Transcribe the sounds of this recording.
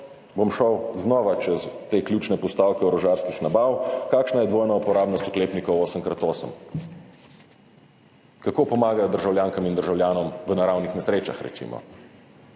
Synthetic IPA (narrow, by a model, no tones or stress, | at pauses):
bomʃɔwznɔʋat͡ʃɛzt̪eːklʲjuːt͡ʃnɛpɔst̪aːwkɛɔɾɔʒaːɾskixnabaːwkaːkʃnajɛd̪ʋoːjnaupɔɾaːbnɔst̪u̥kleːpnikɔwoːsəmkɾat̪oːsəm | kakoːpɔmaːɡajɔd̪əɾʒawljaːŋkamind̪əɾʒawljaːnɔmʋənaɾawnixnɛsɾeːt͡ʃa̰xɾɛ̰sḭmʔɔ̰